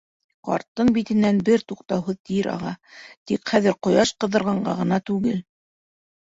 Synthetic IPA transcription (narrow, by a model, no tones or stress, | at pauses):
qɑ̰ɾt̪ːɤnbit̪ɘ̆nːænbɘɾt̪uqt̪ɑwɦɤðt̪iɾʔɑ̰ʁɑt̪ikχæðɘɾqŏjɑʃqɤ̆ðːɤ̆ɾʁɑɴɢɑʁɤ̆nɑt̪ʉɡɘl